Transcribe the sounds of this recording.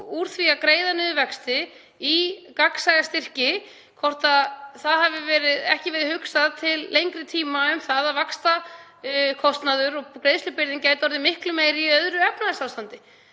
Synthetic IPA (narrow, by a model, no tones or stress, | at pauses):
uɾ̥θviakɾeːjðanʏːðvɛkst̪ɪ | ikaksajɣast̪ɪr̥cɪ | kʰɔr̥t̪aðθaðɦavɪvɛːɾɪðɛhcɪvɛːɾɪhʏksaðt̪ʰɪlːejŋkɾɪt̪ʰiːmaʏmθaðavakst̪a | kʰɔst̪naðʏɾɔɣkɾejðslʏpɪɾðɪncaːjt̪ɔɾðɪmɪhklʏmeːjɾɪiœðɾʏɛpnaðɪsaːwst̪ant̪ɪ